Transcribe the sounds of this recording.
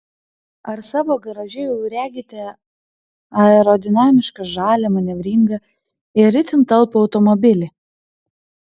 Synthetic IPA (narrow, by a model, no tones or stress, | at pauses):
ɐɾsɑːʋoːɡɐɾɐʒʲɛjɛʊɾʲæːɡʲɪt̪ʲɛ | ɐɛɾɔd̪ʲɪnɑːmʲɪʃkɐʒɑːlʲɛmɐnʲɛʋʲɾʲɪŋɡɐ | ɪɾʲɪt̪ʲɪnt̪ɐlˠpʊɒʊt̪ɔmɔbʲɪlʲɪ